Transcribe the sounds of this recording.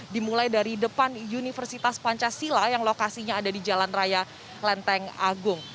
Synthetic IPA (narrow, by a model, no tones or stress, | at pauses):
dimulajdaɾidəpanjunifərsit̪aspaɲt͡ʃasilajaŋlokasiɲaːdadid͡ʒalanraja | lɛnt̪ɛŋaɡʊŋ